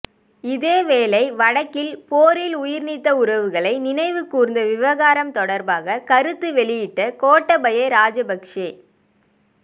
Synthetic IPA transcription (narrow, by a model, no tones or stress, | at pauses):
ɪðeːʋeːlɐɪʋɐɽɐkːɪlpoːɾɪlʊjɪɾnɪt̪ːɐʊɾɐʋɯɣɐɭɐɪnɪnɐɪʋɯkːuːɾɯnd̪ɐʋɪʋɐɣaːɾɐmt̪ɔɽɐɾbaːɣɐkɐɾɯt̪ːɯʋɛɭɪjɪʈːɐkoːʈːɐbɐjɐɾaːd͡ʒɐbɐkʂeː